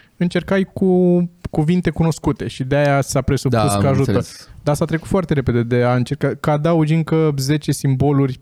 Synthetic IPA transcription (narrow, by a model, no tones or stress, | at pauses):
ɨnt͡ʃe̞rkajkukuvint̪e̞kuno̞skut̪e̞ʃid̪eajasapɾe̞supuskəaʒut̪əd̪aasat̪ɾe̞kut̪foart̪e̞ɾe̞pe̞d̪e̞d̪e̞aɨnt͡ʃe̞rkakad̪aud͡ʒiŋkəze̞t͡ʃe̞simbo̞lurʲ